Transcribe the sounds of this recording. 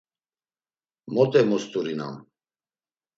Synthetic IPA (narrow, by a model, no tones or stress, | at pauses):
mɔt̪ʼɛmɔst̪ʼuɾina̰m